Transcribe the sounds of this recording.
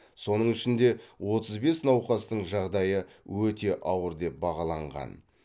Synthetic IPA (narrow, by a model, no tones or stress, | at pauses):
so̞nəɴɪʃɪnd̪e̞wo̞t̪əzbe̞snɑwqɑst̪əɴʒɑʁd̪ɑjəwɵt̪e̞ʔɑwəɾd̪e̞p̚bɑʁɑlˠɑɴʁɑ̰n